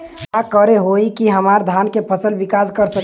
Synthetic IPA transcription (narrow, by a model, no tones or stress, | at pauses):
akəɾeɦoikiɦəmaɾd̪ʱankepʰəsəlbikaskəɾsə